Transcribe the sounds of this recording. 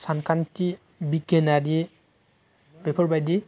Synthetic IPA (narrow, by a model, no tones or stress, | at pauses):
sankʰanti | biɡɛnadi | bɛpʰɔɹbajdi